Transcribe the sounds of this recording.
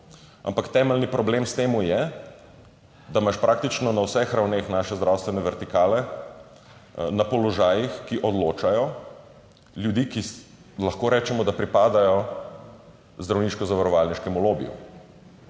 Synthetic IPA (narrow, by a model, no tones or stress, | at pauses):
a̰mpakt̪ɛməlnipɾɔbleːmst̪eːmujɛ | d̪amaʃpɾʔak̚t̪it͡ʃnɔnawsɛxɾawnexnaːʃɛzd̪ɾawst̪ʋɛnɛʋɛɾt̪ikaːlɛ | napɔlɔʒaːjixkiʔɔd̪loːt͡ʃajɔ | ljud̪iki | lɐxkoːɾɛːt͡ʃɛmɔd̪apɾipaːd̪ajɔ | zd̪ɾawniːʃkɔzaʋaɾɔʋaːlniʃkɛmuloːbḭjɔ̰